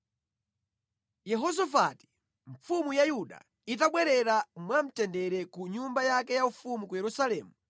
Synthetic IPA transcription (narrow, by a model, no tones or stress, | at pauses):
jɛɦɔzɔfati̥ | ɱfumujajuɗa̰ | it̬aɓwɛɾɛɾamwam̩tɛndɛɾɛkuɲumbajakɛjaufumukujɛɾusalɛːmu